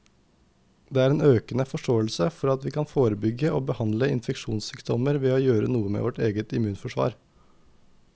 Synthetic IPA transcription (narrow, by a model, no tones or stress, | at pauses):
d̪eːæːɾeːnøːkənəfɔʂʈoːəlsəfɔɾɑt̪ʋiːkʰɑnfoːɾəbʏɡəoːbəhɑnd̪ləɪnfɛkʃuːnssyːkt̪ɔməɾʋeːoːjøːɾənuːəmḛːʋɔʈeːɡət̪ɪmʉːnfɔʂʋɑ̰ːɾ